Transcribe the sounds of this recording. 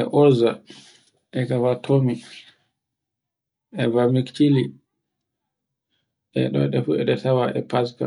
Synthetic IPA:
ɛʔɔɾza | ʔɛkavatʰomi | ɛvamikt͡ʃili | ʔɛ̰ɗɔ̰ɗɛfuɛɗɛtawaʔɛ̰paska̰

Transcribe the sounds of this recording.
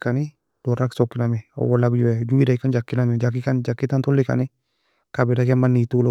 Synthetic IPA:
kani | d̥ɔɾaksɔkːɪnamiɔ̰wɔlaɡd͡ʒuɛd͡ʒuiɾakand͡ʒakːinamɛd͡ʒak̬ːikand͡ʒakːɪtantɔlːɪka̰nɪ | kabɪɾaɡɛmanːitul

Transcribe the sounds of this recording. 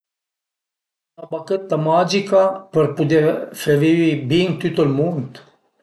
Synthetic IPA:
abakət̪ːamad͡ʒikapəɾpud̪efeviwibiŋt̪yt̪əlmunt̪

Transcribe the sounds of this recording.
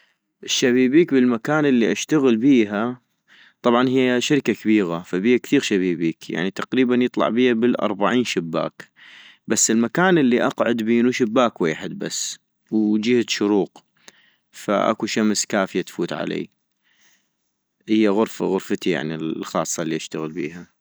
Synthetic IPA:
ʔɪʃːaβiːbiːkbɪlmakaːnʔɪlːiʔaʃt̪aɣɪlbiːɦa | t̪ˤɑbʕɑnɦijːaʃaɾkakabiːɣafabiːhakθiːɣʃabiːbiːkja̰ʕnit̪aqɾiːbanjɨt̪ˤlɑ̰ʕbiːhabɪlʔɑ̰ɾˤbaʕiːnʃɪbːa̰ːkbasːɪlmakaːnɪlːiʔɑqʕʊd̪biːnuʃɪbːaːkweːħɪd̪̚ba̰sː | wd͡ʒɪhaʃʊɾuːq | fa̰ʔa̰kuʃamskaːfɪjat̪fuːt̪ʕa̰lḛː | hɪjːaɣʊɾfa̰ɣʊɾfat̪ija̰ʕnillxɑːsˤːɑlːiʔaʃt̪aɣəlbḭːha

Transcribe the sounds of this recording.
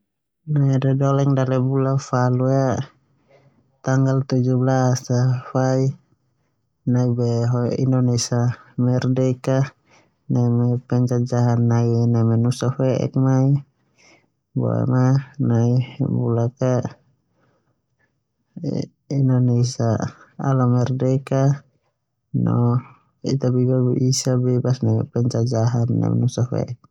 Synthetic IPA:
naiɾɛdɔlɛŋdaɾɛbulafalua | t̪aŋɡalt̪ud͡ʒublasafai | naibɛɦɔḭnɔnɛisamɛrdɛika | naimɛpɛɲt͡ʃad͡ʒaɦanːainamɛnusafɛʔɛ̰k̚mai | bɔ̰ɛ̰manajbulaka | inɔnɛisaa̰lamɛɾdɛka | nɔ̰ | ḭt̪abibaisabɛbasnajɛ̰pɛnt͡ʃad͡ʒaɦanna̰mɛ̰nusɔfɛ̰ʔɛk̚

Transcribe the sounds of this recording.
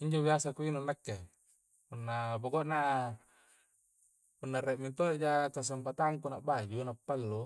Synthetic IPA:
iɲd͡ʒobiasakuinunːakːe | punːaboɡoʔna | punːareʔmint̪oeʔd͡ʒakas̬ampat̪aŋkunaʔbad͡ʒunapːalːu

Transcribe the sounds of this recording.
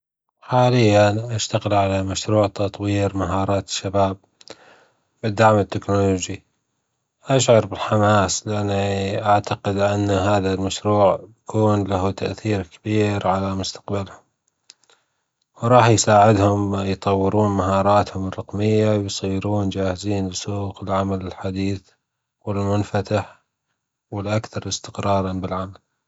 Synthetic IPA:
ħaːlɪjːanʔaʃt̪aɣɪlʕalamaʃɾuːʕt̪ɑt̪ˤwiːɾmaɦɑːɾˤɑːt̪ɪ̥ʃːabaːb̚ | bɪd̪ːaʕmɪt̪ːɪknoloːd͡ʒi | ʔaʃʕɑɾbɪlħamaːslɪʔanːiʔaʕt̪aqɪd̪ʔanːaɦaːðalmaʃɾuːʕjakʰuːnlaɦut̪aʔθiːɾkabiːɾʕalamʊst̪ḁqbalhʊm | wɾˤɑːħjsaːʕɪd̪hʊmjt̪ˤɑwːɪɾuːnmaɦɑːɾˤɑːt̪hʊmərˤːɑqmɪjːawjsˤiːɾuːnd͡ʒaːhɪziːnbsuːqɪlʕamalɪlħad̪iːθ | wɪlmʊnfat̪aħ | wɪlʔakθɑɾˤʔɪst̪ɪ̥qɾɑːɾˤɑnbɪlʕamal

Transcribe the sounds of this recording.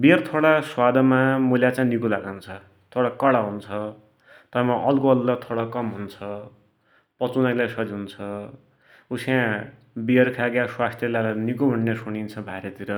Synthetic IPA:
biʌrt̪ʰoɽaswad̪ʱʌmamuljat͡sãnikulaɡant͡sʰʌ | t̪ʰoɽakʌɽaɦunt͡sʰʌ | t̪ʌmaʔʌlkoʌlːʌt̪ʰoɽʌkʌmɦunt͡sʰʌ | pʌt͡sunalajsʌd͡ziunt͡sʰʌ | usjã | biʌrkʰaɡjaswast̪ʰjʌlalanikuɦuɳnesunint͡sʰʌbʱaeɾʌt̪iɾʌ

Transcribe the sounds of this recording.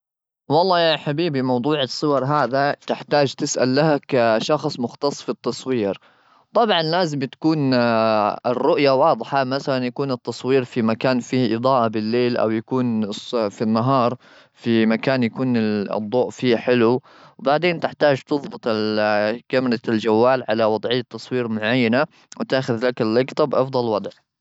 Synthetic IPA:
wɑlˤːɑːħabiːbimɑwd̪ˤuːʕɪsˤːʊwɑɾˤɦaːðat̪ɪħt̪aːd͡ʒt̪ɪsʔa̰lːahakaʃɑxsˤmʊxt̪ɑsˤfit̪ːɑsˤwiːɾ | t̪ˤɑbʕɑnlaːzɪmt̪ḁkuːn | ɪrːʊʔjawɑːd̪ˤħamaθalanjakuːnɨt̪ːɑsˤwiːɾfimakaːnfiːʔɨd̪ˤɑːʔabɪlːeːlʔa̰wjakuːnsfinːaɦɑːɾˤ | fimakaːnjakuːnɪ̰d̪ˤːoːʔfiːħɪlu | wbaʕd̪eːnt̪ɪħt̪aːd͡ʒt̪ɨðˤbɨt̪ˤɪlkamɾˤɑld͡ʒawːaːlʕalawɑd̪ˤʕɪjːat̪ːɑsˤwiːɾmʊʕajːana | wt̪aːxʊðlakɪlːɪɡt̪ɑbʔɑfd̪ˤɑlwɑd̪ˤʕ

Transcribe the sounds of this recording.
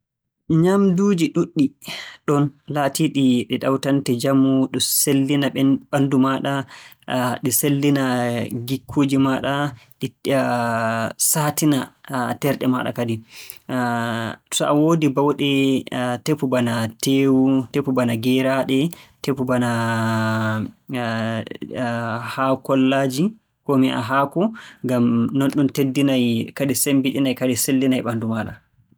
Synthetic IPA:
ɲamduːd͡ʒiɗuɗːiɗɔnlatiɗiɗɛɗawtantɛd͡ʒamuɗɔselːinaɓɛɓandumaɗa | ɗɛselːinaɡikʰːod͡ʒimaɗaɗi | satinatɛɾɗɛma̰ɗa̰kadi | sɔʔawoːdibawɗɛtepːubanateːwutepːubanaɡɛɾaɗɛtepːubana | hakɔlːad͡ʒi | kɔmiʔa̰ɦakɔŋɡamnɔnɗumtedːinajkadisembiɗinajkadiselːinajɓandumaːɗa̰

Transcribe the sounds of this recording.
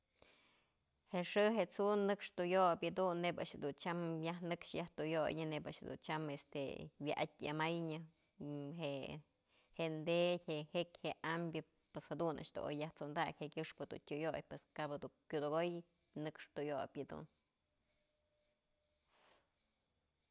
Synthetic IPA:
heʂɨɦeʔt͡sunɨkʂt̪ujobʲɨd̪unːeba̰ʔʂhed̪unt͡ʃamjaɦnɨkʂjaht̪ujojɲɨnebaʔʂhed̪ṵnt͡ʃamest̪ḛwjaʔat̪̚ʲa̰majɲɨ | ɦe | heʔnd̪etʲhehekʲheʔambʲjɨ | pweshad̪unʔa̰ʔʂd̪o̰o̰jːaht͡sond̪akʲhekʲɨʂpɨd̪ṵntʲujojpweskabad̪ukʲud̪oɡoj | nɨkʂt̪ujobʲɨd̪ṵn

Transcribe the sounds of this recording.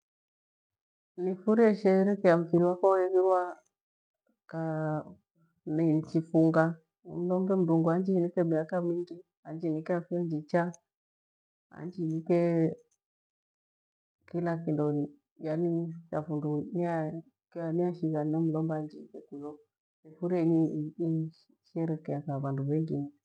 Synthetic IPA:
nifuɾiɛʃɛɾɛkɛam̩fiɾiwakɔɛβiɾwa | ka | ninit͡ʃifuŋɡa̰ | m̩lɔmbɛm̩duŋɡɔand͡ʒinikɛmiakamiŋɡi | and͡ʒinikɛafuɛnd͡ʒit͡ʃa | a̰nd͡ʒinike | kilakindɔ | janit͡ʃafundunia | keaniaʃiɡanəm̩lɔmband͡ʒikekujo | efuɾeɲii | ʃeɾekijakaβanduβeŋɡini

